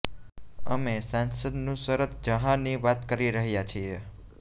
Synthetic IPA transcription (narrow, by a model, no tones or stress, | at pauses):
ə̰mesãnsəd̪nũsəɾət̪d͡ʒəɦãniʋat̪kəɾiɾəɦjat͡ʃʰie